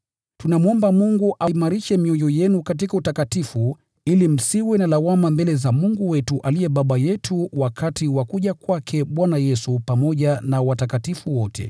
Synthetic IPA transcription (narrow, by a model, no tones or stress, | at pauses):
tunamuɔmbamuŋɡuʔaimaɾiʃɛmiɔjɔjɛnukat̬ikautakatifu | ilim̩siwɛnalawamambɛlɛzamuŋɡuwɛtuʔalijɛɓaɓajɛtʰuwakʰatiwakuʄakwakʰɛɓwanajɛsupamɔʄanawatakatifuwɔtʰɛ̰